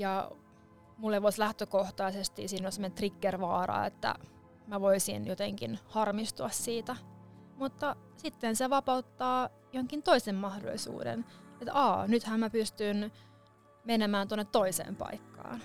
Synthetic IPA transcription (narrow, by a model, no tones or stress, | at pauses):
jɑ | mulheʋoslæht̪økoht̪ɑisest̪iːsiːnolʲsemonet̪rikːerʋɑːrɑ̰ːḛt̪ːæ̰ | mæʋoisḭnjot̪eŋkḭnhɑrmist̪uɑssiːt̪æ | mut̪ːɑ | sit̪ːenseʋɑpɑut̪ːɑː | johoŋkint̪oisemmɑhdo̰lisṵːdḛnet̪ɑːnyt̪hæmmæpyst̪yn | menemæːnt̪onːet̪toisḛːmpɑ̰ikːɑ̰ːn